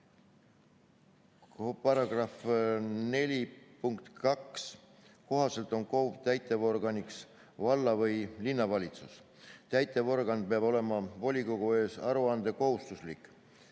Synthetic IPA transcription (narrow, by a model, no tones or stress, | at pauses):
kopɑɾɑɡ̥rɑfne̞lʲipuŋkt̪kɑks | ko̞ɦɑse̞lt̪ˑo̞nkout̪æjt̪ːˑe̞vo̞rɡ̥ɑniks | vɑlːɑvɤjlinːɑvɑlʲit̪sus | t̪æjt̪ːˑe̞vo̞rɡ̥ɑn̚peɑbo̞le̞mɑvo̞lʲiko̞ɡ̥ue̞ːsɑɾuɑnd̪̥e̞ko̞hust̪uslikˑ